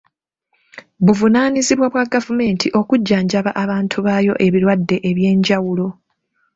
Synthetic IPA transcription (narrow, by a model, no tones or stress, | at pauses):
βuvunaːniziβwaβwaɡavume̞ːntʰiʔo̞kuɟːaːɲɟaβaʔaβaːntʰuβaːjo̞ʔe̞βiɾwadːe̞ʔeβje̞ːɲɟawulo̞